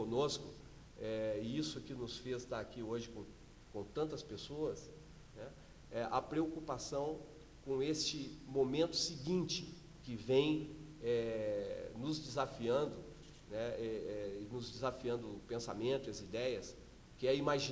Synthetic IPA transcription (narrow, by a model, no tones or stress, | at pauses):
õnoskʊ | ɛɪisʊkɪnʊsfest̪aakioʒɪkõ | kõt̪ɐ̃nt̪ɐspesoɐs | nɛ | ɛʔɐpɾeokupasɐ̃w̃ | kõest͡ʃɪmõmẽnt̪ʊ̥sɪɡĩnt͡ʃɪ̥ | kɪvẽj̃ɛ | nʊzd͡ʒɪzafiɐ̃nd̪ʊ | nɛɛɛɪnʊzd͡ʒɪzafiɐ̃nd̪ʊpẽsa̰mẽnt̪ʊiɐzid̪ɛjɐs | kɪɛimaʒi